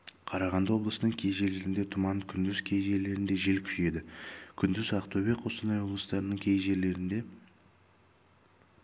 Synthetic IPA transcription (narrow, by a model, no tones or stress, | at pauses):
qʰɑɾɑʁɑnd̪əwo̞blˠəsənəɴkʲʰe̞jʒe̞le̞ɾɪnd̪e̞t̪ʰʊmɑnkʲʰʏnd̪ɪzkʲʰe̞jʒe̞le̞ɾɪnd̪e̞ʒe̞lkʲʰʏ̥ʒe̞d̪ɪkʲʰʏnd̪ɪzɑqt̪obe̞kqʰo̞st̪ənɑjwo̞blˠəst̪ɑɾənəɴkʲʰe̞jʒe̞le̞ɾɪnd̪e̞